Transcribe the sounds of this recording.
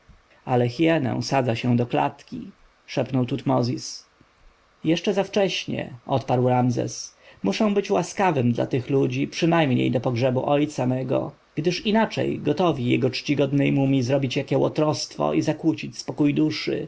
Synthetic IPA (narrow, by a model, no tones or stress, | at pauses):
alɛxjɛnɛ̰w̃sad̪zaɕɛ̃d̪ɔkla̰t̪kʲḭ | ʂɛpnɔwt̪ut̪mɔzʲis | jɛʂt͡ʂɛzaft͡ʂɛɕɲɛ̰ʔɔt̪paɾwɾamzɛ̰smuʂɛ̃w̃bɘt͡ɕwaskavɘmd̪la̰t̪ɘxlud͡ʑipʂɨnajmɲḛjd̪ɔpɔɡʐɛbuʔɔjt̪samɛɡɔ̰ | ɡ̥d̪ɘʂinat͡ʂɛ̰jɡɔt̪ɔvʲijɛ̰ɡɔt͡ʂt͡ɕiɡɔd̪nɛjmumʲizɾɔbʲit͡ɕjakʲɛwɔ̰t̪ɾɔst̪fɔ̰izakwut͡ɕit͡ɕspɔkujd̪uʂɘ̰